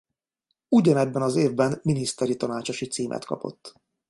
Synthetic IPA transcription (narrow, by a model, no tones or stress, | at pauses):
uɟɒnɛbːɛnɒzeːvbɛnminist̪ɛɾit̪ɒnaːt͡ʃo̞ʃit̪siːmʔɛ̰t̪kɒ̰po̞̰t̪ː